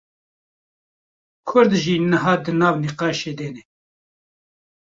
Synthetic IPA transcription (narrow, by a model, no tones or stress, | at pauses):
kʰʊɾd̪ʒiːnɨɦɑːd̪ɨnɑːvniqɑːʃeːd̪eːnɛ